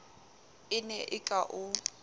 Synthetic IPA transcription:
ɪnɛʔɪkʼaʔʊ

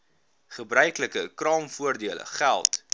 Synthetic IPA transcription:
χəbrœɥkləkəkrɑːmfuərdiələ̰χælˠt

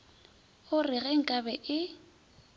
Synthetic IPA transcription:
ʊrɪɣɛŋ̩kʼabɛʔɪ

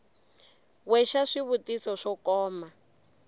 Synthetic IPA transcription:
wɛʃaʂiβutisɔʂɔkɔːma

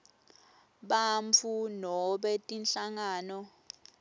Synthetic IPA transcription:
ɓaɱfʰunɔɓɛtʼinɬaŋaːnɔ

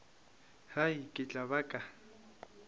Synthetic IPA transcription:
hajkʼɪt͡ɬʼaβakʼa

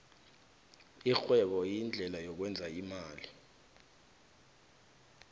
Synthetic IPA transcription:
ixwɛɓɔjind͡ɮʱɛlajɔk̬wɛnd͡zʱaimaːli

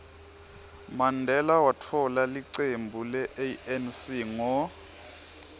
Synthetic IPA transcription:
mandʱɛlawatʰɔlaliǀembʱulɛʔeɛnsiŋɔ

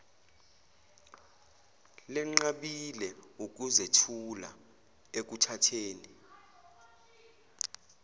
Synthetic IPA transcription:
lɛŋ͡ǁaɓilɛuk̬uzetʰula̰ | ek̬utʰatʰeːni

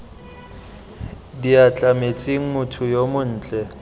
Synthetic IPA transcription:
diat͡ɬʼamet͡sʼiŋ̩mʊtʰʊjomʊn̩ːt͡ɬʼɛ

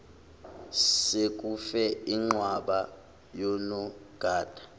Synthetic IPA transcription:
sek̬ʼufɛiŋ͡ǁwaɓa | jɔnɔɡ̥ʱaːd̥ʱḁ

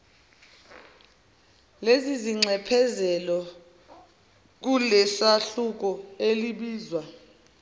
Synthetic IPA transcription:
leziziŋ͡ǀʱɛpʰɛzɛlɔ | k̬ulɛsaɬuk̬ɔeliɓiːzwa

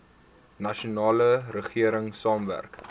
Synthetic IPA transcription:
nɐʃunɑːləɾəχiəɾəŋsɑːmvæ̰rk

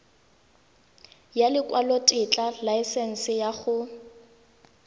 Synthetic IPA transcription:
jalɪkʼwalotʼɪt͡ɬʼalaɪsɛn̩sɪjaχʊ

